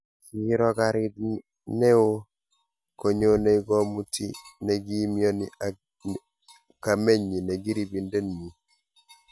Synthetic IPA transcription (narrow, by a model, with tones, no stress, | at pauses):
ki˨i˦ɾɔ˦ɡa˨ɾi˦d | ne˦o˦ | ko˨ɲe˦o˦ne˦iɡɔ˦mu˦ti˦ne˨ɡi˦mi˦o˦ni | ka˨me˦ɲi˨ne˨ɡi˦ɾi˨bi˨nde˦nmi˨